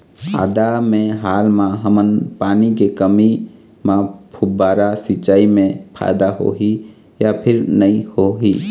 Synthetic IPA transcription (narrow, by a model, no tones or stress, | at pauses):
a̰ːd̪amẽɦaːlmãɦəmənpaːnikekəmi | mãpʰʊbaːɾasɪt͡ʃaːimẽpʰa̰ɪd̪aɦo̰ɦi | japʰɪɾnəĩhoɦi